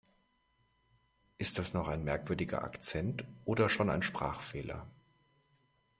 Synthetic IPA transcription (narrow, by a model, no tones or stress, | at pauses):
ʔɪst̚d̥asnɔχaɪnmɛɐkv̥ʏɐdɪɡɐ̰ʔa̰kt͡sɛntʔoːdɐʃoːna̰ɪnʃpʁ̥a̰ːχfeːlɐ̰